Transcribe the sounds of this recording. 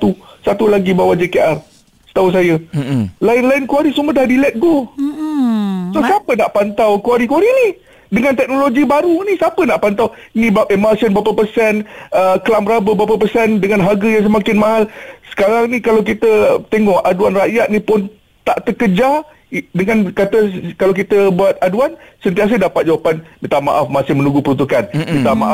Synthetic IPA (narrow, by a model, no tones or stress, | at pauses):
t̪usat̪ulaɡibawad͡ʒekeʔar | sə̥t̪auns̬ajəlaɪnlaɪnkuaɾisumədahdilɛt̪̚ɡo | sohsiapənaʔpant̪awkuwaɾikuaɾini | dəŋant̪ɛk̚noloɡibaɾunisiapənaʔpant̪aw | inĩbaʔəmasənbapəpərsɛnəkəlamɾabəbapəpərsɛndəŋanɦaɡəjaŋs̬əmakɪnmãɦalsə̥kaɾaŋnikalawk̬it̪ət̪eŋɔʔaduanraʔjat̪̚nipʊn | t̪aʔt̪əkəd͡ʒa | dəŋãnkat̪əkalawk̬it̪əbuat̪̚aduansənt̪̬ias̬ədapat̪̚d͡ʒawapanmit̪ama̰ʔafmasɪhmə̃nũɡupəɾunt̪ukanmit̪ama̰ʔa